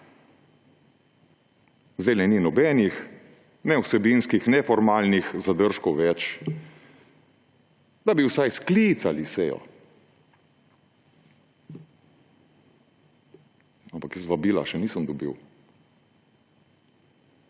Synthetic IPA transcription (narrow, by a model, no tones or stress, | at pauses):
zd̪ɛlnɛninɔbɛːnix | nɛwsɛbinskixnɛfɔɾmaːlnixzad̪əɾʃkɔwʋɛt͡ʃ | d̪abiwsajsklit̪salisɛjɔ̰ | ampakjəsʋabiːla̰ʃɛniːsəmd̪ɔbḭw